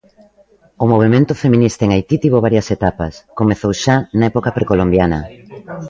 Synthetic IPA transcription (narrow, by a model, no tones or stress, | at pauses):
ʊmoβ̞emẽnt̪ʊfemĩnist̪aeŋajt̪it̪iβoβ̞aɾjɐset̪apɐ̰skomeθowʃanɐɛpokɐpɾekolombjanɐ̰